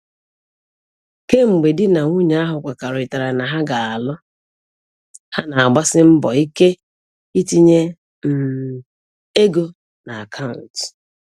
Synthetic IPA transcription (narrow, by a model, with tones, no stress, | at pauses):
ke˦ŋ͡m̩˨ɡ͡be˨dɪ˦na˨ŋʷu˦ɲa˨a˦ɦʊ˨kʷa˨ka˨ɾʊ˨ɪ˨ta˨ɾa˨na˨ɦa˦ɡa˨a˨lʊ˦ | ha˦na˨a˨ɡ͡ba˦sɪ˦m̩˦bɔ˨i˦ke˦ | i˦ti˦ɲe˦ | m̩˨ | e˦ɡo˦ | na˨a˨kʰa˦ʊ˨n̩˨t